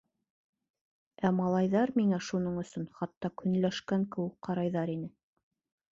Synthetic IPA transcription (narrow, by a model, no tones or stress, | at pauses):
æmɑlˠɑjðɑɾmiŋæʃunɤɴɵ̆sɵnχɑt̪ːɑkɵ̆nlæʃkæŋkɘ̆wɘk̚qɑɾɑjðɑɾinɘ